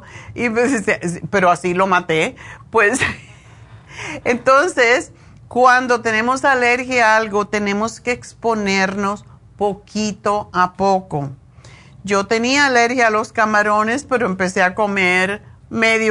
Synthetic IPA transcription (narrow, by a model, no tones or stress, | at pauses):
ipsepe̞ɾoasilo̞mat̪epwes | ent̪o̞nses | kwand̪o̞t̪e̞ne̞mosaleɾxjaalɡo̞t̪e̞nẽ̞moskeːkspo̞neɾno̞spo̞kʰit̪o̞apo̞ko | d͡ʒo̞t̪e̞niaːleɾxjalo̞skamaɾo̞ne̞spe̞ɾoempe̞seako̞meɾmeðj